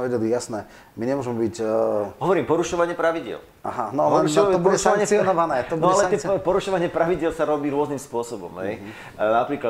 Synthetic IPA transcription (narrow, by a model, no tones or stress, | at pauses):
ʋɛɟɛlijasnɛ | miɲɛmʊɔʒɛmɛbicɦɔʋɔɾiːmpɔɾuʃɔʋaɲɪɛpɾaʋiɟɪɛ̰l | a̰ɦanɔlɛɔbudɛsaaɲɛt͡siɔnɔʋanɛːt̪ɔbunɔɛalɛaɛpɔɾuʃɔʋaɲɪɛpɾaʋiɟɪɛlsaɾɔbiːɾʊɔznimspʊɔsɔbɔ̰mɦɛj | napɾiːkla